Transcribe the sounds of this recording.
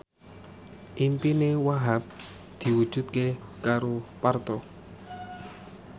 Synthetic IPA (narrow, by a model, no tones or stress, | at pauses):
ʔimpinewaɦap̚ | d̪̥i̤wud̥ʒ̥ṳt̪̚kekaɾopart̪ɔ